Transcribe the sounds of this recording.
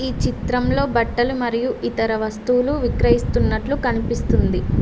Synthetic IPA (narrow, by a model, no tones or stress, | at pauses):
iːt͡ʃit̪ɾɐmlo̞ːbɐʈːɐlumɐɾijuʔit̪ɐɾɐʋɐst̪uwluʋikɾɐjist̪unːɐʈlukɐnipist̪und̪i